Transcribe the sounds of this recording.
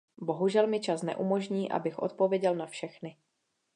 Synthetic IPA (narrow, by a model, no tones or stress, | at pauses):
bo̞ɦuʒɛlmɪt͡ʃasnɛ̰ʔumo̞ʒɲiːʔa̰bɪxʔo̞̰t̪̚po̞vjɛɟɛlnafʃɛxnɪ